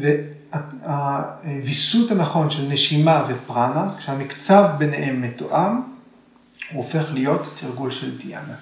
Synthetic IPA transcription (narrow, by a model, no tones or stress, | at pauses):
ve | a | avisuthanaχo̞nʃelneʃimavepʁanakʃehamikt͡savbe̞neʔemːetoʔam | uofe̞χlijo̞tːʰiʁɡulʃeldija̰na